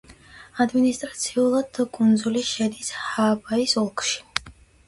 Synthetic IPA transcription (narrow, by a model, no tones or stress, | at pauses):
ad̪minist̪ʼɾat̪sʰiulˠad̪kʼund̪zuliʃɛd̪ishaːbaisɔlˠkʰʼʃi̥